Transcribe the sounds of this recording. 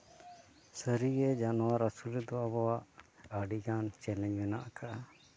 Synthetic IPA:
səɾiɾɛd͡ʒanɔwaɾəsulɛd̪ɔabɔwaʔəɖiɡant͡ʃɛlɛ̃ɲmɛnaʔakaʔa

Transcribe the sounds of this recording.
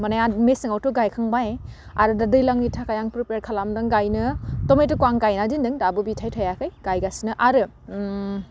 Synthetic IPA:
manajamesɯŋawtɔɡajkʰaŋbaje | a̰ɾɯdadɯjlaŋnitʰakajaŋpɾipeɾkʰalamdɯŋɡajnɯtɔmejtɯkwaŋɡajnadindɯŋdabɯbitʰajtʰajakʰɯjɡ̥ajɡasinɯʔaɾɯ

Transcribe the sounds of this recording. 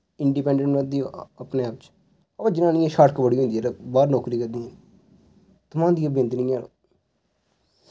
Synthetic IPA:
ɪɳɖiːpɛ̃ːɳɖɛ̃ɳʈʋad̪iːəpneːaːpt͡ʃ | əãːd͡ʒɪnãːnĩːɛ̃ːʃaːʈkəbəɽiːɦʊ̃nd̪iɛːɾbaːɾnɔːkɾiːkəɾd̪iːɛ̃ː | t̪ʊmãːd̪ĩːbjə̃nt̪nĩːãː

